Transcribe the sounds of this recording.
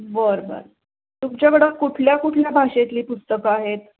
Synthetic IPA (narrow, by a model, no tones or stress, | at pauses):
bəɾbə̰ɾ | t̪umt͡ɕjaʋəɽəkuʈʰljakuʈʰljabʱaʂet̪liːpust̪əkəaɦet̪̚